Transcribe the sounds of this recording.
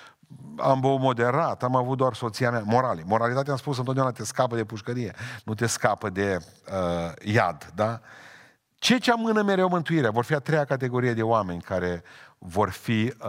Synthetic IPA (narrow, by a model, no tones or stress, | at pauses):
a̰mbomo̞d̪e̞ɾat̪amavut̪̚d̪oarso̞t̪siamʲamo̞ɾalimo̞ɾalit̪at̪eamspus̬ənt̪od̪eaunat̪eskapəd̪e̞puʃkəɾije̞nut̪̬e̞skapəd̪e̞ | əja̰d̪d̪a | t͡ʃe̞t͡ʃeamɨnəmeɾeomɨnt̪uiɾeavo̞rfiat̪ɾejakat̪̬e̞ɡo̞ɾije̞d̪e̞oame̞nʲkaɾe̞vo̞rfi